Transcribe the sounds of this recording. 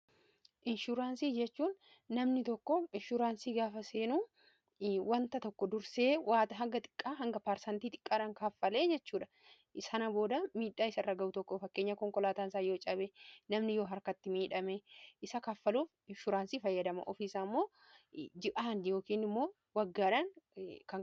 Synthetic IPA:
ʔɪnʃuɾaːnsiːd͡ʒɛt͡ʃːuːnː | ɐmnɪt̪ɔkːɔɪnʃʊɾaːnsiːɡaːfɐseːnuː | wɐnt̪ɐt̪ɔkːɔd̪ʊɾse̞ːwaːt̪ɐɦɐŋɡɐt̪ʼɪ̥kʼːaːɦɐŋɡɐpaːɾsɐnt̪iːt̪ʼɪ̥kʼːaːᶑɐŋkaːfːɐle̞ːd͡ʒɛt͡ʃːuːᶑɐ̥ | ɪsɐnɐboːd̪ɐmiːᶑaːɪsɐrːɐɡɐʔʊt̪ɔkːofɐkːe̞ːɲːɐkɔŋkɔlaːt̪aːnsaːjo̞ːt͡ʃʼɐbenɐmnɪjoːɦɐɾkɐt̪ːɪmiːᶑɐmeʔɪsɐkaːfːɐluːf | ʃʊɾaːnsiːfɐjːɐd̪ɐmɐ̰ʔɔfiːsaːmːo̞ː | d͡ʒɪʔaːnd̪jo̞ːkiːnɪmːo̞ː | wɐɡːaːᶑɐnkɐ

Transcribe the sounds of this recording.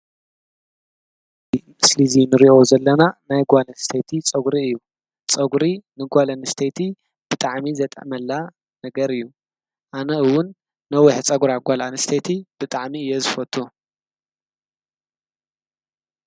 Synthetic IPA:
imɨslizinɨɾiʔo̞zɐlːɐnanajɡʷalɐnst̪ʰet̪ʰit͡sʼɐɡuɾiɨjːu | t͡sʼɐɡuɾinɨɡʷalɐnɨst̪ʰet̪ʰi | b̥ɨt̪ʼaʕmizɐt̪ʼɐ̰ʔmɐlːa | nɐɡɐɾɨjːu | ʔanɐɨwʊnː | ɐwiħt͡sʼɐɡɾaɡʷalanɨst̪ʰet̪ʰib̥ɨt̪ʼaʕmiɨjːɛzɨfɐt̪ʰʼːu

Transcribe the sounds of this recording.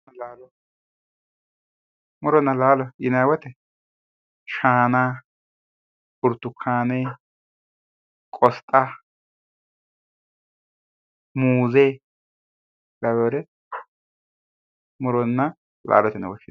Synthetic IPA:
laːlɔ | mʊɾɔnːɐlaːlɔɪnɐjwɔt̪ɛ | ʃaːnaː | pʊɾt̪ːʊkʰːaːne | kʼɔst̪ʼa | muːze | lɐɡoːɾɛ | mʊɾɔnːɐ | la̰ːlɔt̪ɛnɐ̰wɔʃɪ

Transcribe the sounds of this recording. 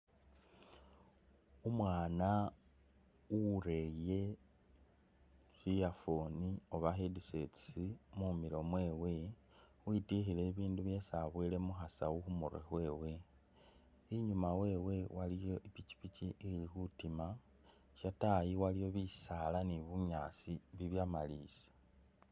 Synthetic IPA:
umwaːna | uɾe̞je̞ | βijafonio̞βaxedise̞t͡simumiɾo̞mwe̞ːwe̞ | wuitixile̞βiːnduβje̞saβwiːle̞muxasa̰wuxumurḛxwe̞ːwe̞ | iɲumawe̞ːwe̞walijo̞ʔipici̥piciilixutima | ʃatajiwalijo̞βisalaniβuɲaːsiβiβjamaliːsḁ

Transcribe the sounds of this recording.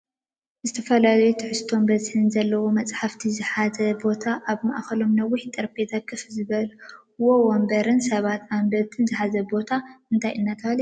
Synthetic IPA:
zɨt̪ʰɐfɐlalɐjut̪ʰɨħɨst̪ʰo̞mbɐzħɨnzɐlːɐwo̞mɐt͡sʼħaft̪ʰizɨħazɐbo̞t̪ʰaʔaβma̰ʔxɐlo̞mnɐwːɪħt̪ʼɐɾbet̪ʰakʰːɨfzɨβɐl | wowombɐɾɨnsɐβat̪ambɐt̪ʰɨnzɨħazɐbo̞t̪ʰaʔɨnt̪ʰajʔɨnːat̪ʰɐβal

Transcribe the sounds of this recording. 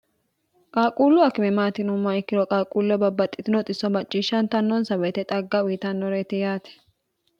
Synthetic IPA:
kʼaːkʼuːlːʊɐkɪmɛmaːt̪ɪnʊmːaɪkːɪɾɔkʼaːkʼuːlːɐbɐbːɐt̪ʼːɪt̪ɪnɔt̪ʼɪsɔmɐt͡ʃʼːiːʃːɐnt̪ɐnːɔnsɐbɛt̪ɛt̪ʼɐɡːɐwiɪt̪ɐnːɔɾeːt̪ɪjaːt̪ɛ̥

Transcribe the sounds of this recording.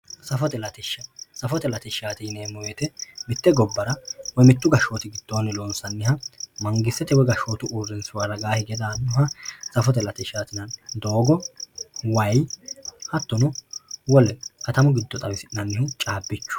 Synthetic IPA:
sɐfɔt̪ɛlɐt̪ɛʃːɐsɐfɔt̪ɛlɐt̪ɪʃaːt̪ɪneːmɔwɛt̪ɛmɪt̪ːɛɡɔbːɐɾɐwɔjmɪt̪ːʊɡɐʃo̞ːt̪ɪɡɪd̪̥ːonːɪloːnsɐnːɪhɐmɐŋɡɪsːɛt̪ɛwɛɡɐʃoːt̪ʊuːrːɪnsʊwaɾːɐɡaːhɪɡɛd̪aːnːʊhɐsɐfɔt̪ɛlɐt̪ɪʃaːt̪ɪnɐnd̪oːɡɔ | wɐjhɐt̪ːɔnɔwɔlɛkɐt̪ɐmʊɡɪd̪ːɔt̪ʼɐwɪsɪnɐnːɪhʊt͡ʃʼaːbːɪt͡ʃːʊ̥

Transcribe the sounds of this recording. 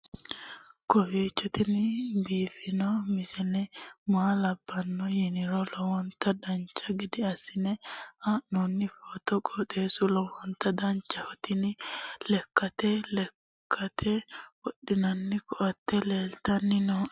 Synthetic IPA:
kɔfeːt͡ʃːɔt̪ɪnɪbiːfɪnɔmɪsɛnɛmaːlɐbːɐnːɔjɛnɪɾɔlɔwɔnt̪ːɐd̪ɐnt͡ʃʼːɐɡɪd̪ɪɐsːɪnɛɐnunːɪfoːt̪ɔkʼɔt̪ʼeːsʊlɔwɔnt̪ːɐd̪ɐnt͡ʃːɐhɔt̪ɪnɪlɛkːɐt̪ɛlɛ | kʰːɐt̪ʰɛwɔɗɪnɐnːɪkɔʔɐt̪ːɛleːlt̪ɐnːɪnɔ

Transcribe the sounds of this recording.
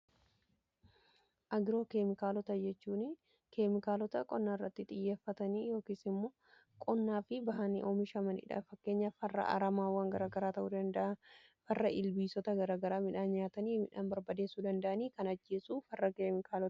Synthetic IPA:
ʔɐɡɪɾo̞ːke̞ːmɪkaːlɔt̪ɐd͡ʒɛt͡ʃːuːn | ke̞ːmɪkaːlɔt̪ɐkʼɔnːaːɪrːɐt̪ːɪt̪ʼɪjːe̞ːfːɐt̪ɐniːjo̞ːkiːsɪmːo̞ː | kʼɔnːaːfɪbɐɦɐnḭʔoːmɪʃɐmɐnɪ̰ᶑɐ̰fɐkːe̞ːɲːɐfɐrːɐ̰ʔa̰ɾɐmaːwːaːŋɡɐɾaːɡɐɾaːt̪ɐʔuːd̪ɐnd̪ɐɐfɐrːɐʔɪlbiːsɔt̪ɐɡɐɾaːɡɐɾaːmɪᶑaːnɲaːt̪ɐniːmɪᶑaːnbɐɾbɐd̪e̞ːsːuːd̪ɐnd̪ɐʔɐniːkɐnɐd͡ʒːe̞ːsuːfɐrːɐkeːmɪkaːlɔt̪ɐ

